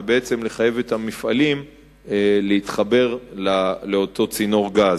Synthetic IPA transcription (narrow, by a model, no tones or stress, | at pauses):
beet͡semle̞χaje̞vetamifʔalim | leit̪χabe̞ʁlaleo̞to̞t͡sino̞ʁɡaz